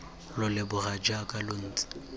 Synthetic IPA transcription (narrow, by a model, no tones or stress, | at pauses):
lʊlɪbʊrad͡ʒakʼalʊn̩ːt͡sʼɪ̥